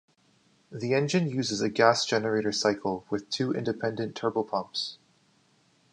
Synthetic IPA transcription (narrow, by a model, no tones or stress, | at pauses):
ðiɛ̃nd͡ʒɨ̃njʉzɨzɨɡæsd̥ʒ̥ɛnə˞eɪɾə˞saɪkʰl̩ˠwɨð̥tʰʉʔɪ̰̃ndɨpʰɛ̃ndɨ̃ntʰɜ˞bl̩ˠpʰʌ̃mps